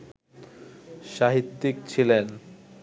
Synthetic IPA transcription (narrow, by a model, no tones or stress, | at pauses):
ʃaɦit̪ːik̚t͡ɕʰilen